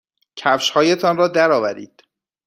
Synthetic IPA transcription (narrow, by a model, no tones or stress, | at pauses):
cʰæfʃhɒːje̞t̪ʰɒnɾrɒːd̪æɾɒːvæɾiːd̪̥